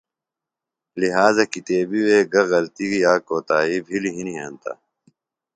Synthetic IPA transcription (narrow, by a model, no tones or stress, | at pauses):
liɦaːzɐkit̪eːbiweːɡɐɣɐlt̪iɡijaːkoːt̪aːibʱiliɦiniɦa̰ːnt̪a̰ː